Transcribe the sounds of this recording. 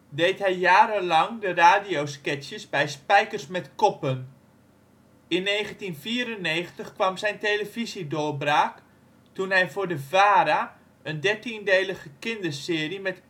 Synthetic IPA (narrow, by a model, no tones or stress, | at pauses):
dejtɦɛjjaːɾəlɑŋdəraːdijowskɪsjəsbɛjspɛjkərsmɛtkɔpən | ɪnːeːχəntinfiːɾənːeːχəntəχkʋamzɛjnteləvizidoːbraːk | tunɦɛjvʊːɹdəvaːɾa | əndɛɹtindejləɣəkɪndərsɪːrimɛt